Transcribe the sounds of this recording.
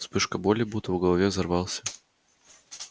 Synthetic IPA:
spɨʂkəbolʲɪbut̪əvʊɡəlˠɐvʲezɐrvɑlˠsʲə̥

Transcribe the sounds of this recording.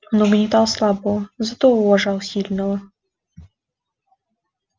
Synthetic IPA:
ɔnuɡnʲit̪awslˠabɔzat̪ɔuwɔʐawɕʲilʲnɔwɔ

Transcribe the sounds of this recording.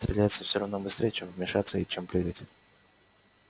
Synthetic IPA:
t̪ɾʲɪ̰lʲæjɪt̪səfsʲo̞ɾɐvno̞bɨst̪ɾʲejət͡ɕemvmʲɪʂat̪səit͡ɕempɾʲɪɾɨtʲ

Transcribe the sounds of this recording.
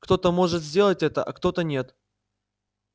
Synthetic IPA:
kt̪o̞t̪əmo̞ʐɨt̪zʲdʲe̞lˠətʲɛt̪əʔɐkt̪o̞t̪ənʲe̞t̪

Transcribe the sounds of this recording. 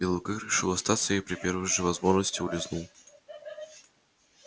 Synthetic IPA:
elˠəlˠkɨrʲɪʂɨlˠost̪at̪səjjpɾʲɪpʲervɨjʐɨvɐzmo̞ʐnəsʲtʲɪʊlʲɪznu

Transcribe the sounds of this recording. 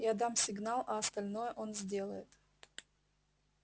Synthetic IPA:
jad̪amsʲɪɡnalˠɐɐst̪ɐlʲnojəʔonzʲdʲe̞lˠəjɪt̪

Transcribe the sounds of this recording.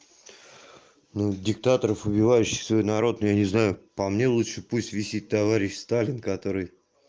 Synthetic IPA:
nudʲɪkt̪at̪əɾəfʊbʲɪvajʉɕːɪ̥xsvo̞jnɐɾo̞t̪nojanʲɪznajʊpɐmnʲe̞lˠutʂɨpusʲtʲvʲɪsʲit̚ʲt̪ːɐvaɾʲɪɕst̪alʲɪnkɐt̪o̞ɾɨj

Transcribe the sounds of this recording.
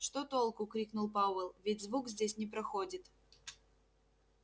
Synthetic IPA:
ʂt̪ot̪olˠkʊkɾʲiknʊlˠpavəlˠvʲɪtʲzvukzʲdʲesʲnʲɪpɾɐxodʲɪt̪

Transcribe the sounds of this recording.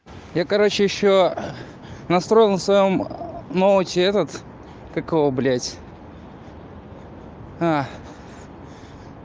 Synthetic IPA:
jakɐɾot͡ɕɪjɪɕːo | nɐst̪ɾo̞jɪlˠnəsvɐjomnovətʲɪɛt̪ət̪ | kɐkoblʲetʲ | a

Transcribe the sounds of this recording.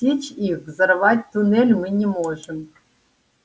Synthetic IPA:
et͡ɕixvzɤ̆rvatʲt̪unelʲmɨnʲemoʐɘ̆m

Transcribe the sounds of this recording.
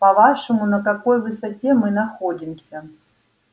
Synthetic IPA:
pɐvaʂɨmʊnɐkɐko̞jvɨsɐtʲemɨnɐxodʲɪmsʲɐ

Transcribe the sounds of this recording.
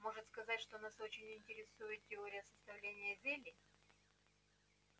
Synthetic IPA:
mo̞ʐɨt̪skɐzatʲʂt̪onasot͡ɕɪnʲɪnʲtʲɪɾʲɪsujɪt̪̚tʲɪoɾʲɪjəsəst̪ɐvlʲenʲɪjəzelʲɪ

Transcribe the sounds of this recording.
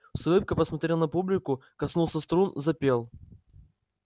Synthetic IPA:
slɨp̚kəpəsmɐt̪ɾʲelˠnɐpublʲɪkʊkɐsnulˠsʲəst̪ɾunzɐpʲe̞lˠ

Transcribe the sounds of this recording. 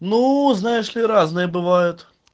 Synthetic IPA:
nuznajɪʂlʲɪɾaznɨjəbɨvajʊt̪

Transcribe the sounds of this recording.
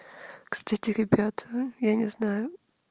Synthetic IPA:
kst̪atʲɪɾʲɪbʲat̪ʰəjanʲɪznajʊ

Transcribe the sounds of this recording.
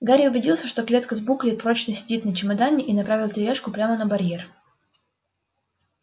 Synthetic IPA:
ɡaɾʲɪʊbʲɪdʲilˠsʲəʂt̪oklʲe̞t̪kəzbuklʲɪj̚pɾo̞t͡ɕnəsʲɪdʲit̪nət͡ɕɪmɐd̪anʲːɪʔinɐpɾavʲɪlˠtʲɪɾʲeʂkʊpɾʲamənəbɐɾʲje̞r

